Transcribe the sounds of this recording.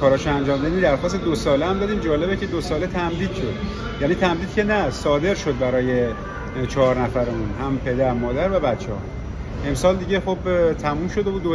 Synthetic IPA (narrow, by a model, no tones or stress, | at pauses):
kʰɒːɾɒːʃeænd͡ʒɒːmd̪æiniːd̪æɾxɒːst̪ed̪osɒːleæmd̪ɒːd̪iːmd͡ʒɒːle̞becʰed̪osɒːle̞t̪ʰæmd̪iːd̪̥ʃo̞d̪ | jæːniːt̪ʰæmd̪iːd̪̚cʰʲe̞næsɒːd̪e̞ɾʃo̞d̪̚bæɾɒːje̞ | t͡ʃʰɒːɾnæfæɾeunɦæmpʰe̞d̪æɾmɒːd̪æɾvæbæt̪t͡ʃʰːehɒ̰ | e̞msɒːld̪iɟe̞xo̞bt̪ʰæmuːmʃo̞d̪ebuːd̪o